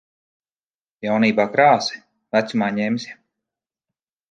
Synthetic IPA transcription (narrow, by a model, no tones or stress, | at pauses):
jawniːbaːkɾaːsɛ̥ | væt̪sumaːɲɛmsʲ